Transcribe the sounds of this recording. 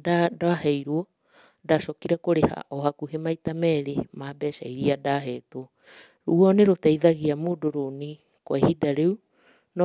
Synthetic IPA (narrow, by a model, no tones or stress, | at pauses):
dadaaɦɛjɾuɔ | dasɔkiɾakoɾeha̰ʔɔɦakuɦemaitamɛɾemaːbɛsaiɾiadaɦɛtwɔ | ɾuɔneɾotaiðaɣiamodoɾoni | koahidaɾeu | n